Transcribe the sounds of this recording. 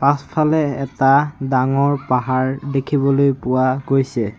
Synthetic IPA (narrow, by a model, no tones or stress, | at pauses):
pãspʰalɛɛtadaŋɔɹpaɦaɹdekʰibɔlojpʊwaɡojsɛ